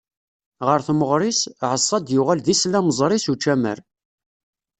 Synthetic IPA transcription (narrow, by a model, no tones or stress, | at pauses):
ʁəɾθməʁɾˤisʕəsˤːɑd̪jʊʁælðislæməzˤɾˤisut͡ʃːæmə̰ɾ